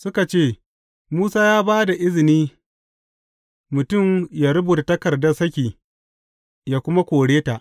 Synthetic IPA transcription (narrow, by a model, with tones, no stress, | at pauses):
sʊ˦ka˨t͡ʃeː˦˨ | muː˦saː˦jaː˦baː˦da˨ʔɪ˦zɪ˨niː˦ | mʊ˨tʊ˦˨mjaː˨ɾʊ˦buː˨ta˨tɐ˦kɐ˨rdɐ˦sɐ˦kʲiː˨ | jaː˦kʷʊ˦ma˦kʷoː˨ɽeː˦ta˨ʔ